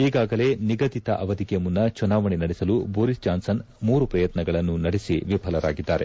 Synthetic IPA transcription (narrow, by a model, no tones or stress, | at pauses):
iːɡaːɡɐle̞ːniɡɐd̪it̪ɐʔɐʋɐd̪ikɛjɐmunːɐt͡ʃunaːʋɐɳinɐɽisɐluboːɾist͡ʃaːnsɐn | muːɾupɾɐjɐt̪nɐɡɐɭɐnːunɐɽisiʋipʰɐlɐɾa̰ːɡid̪ːaːɾe̞